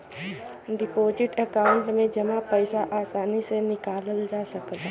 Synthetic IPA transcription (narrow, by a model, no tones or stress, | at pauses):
ɖɪpoːzɪʈəkaːʊ̃ɳʈmẽd͡ʒɐmapəɪsaʔaːsaːnisenɪkaːləld͡ʒaːsəkd̪a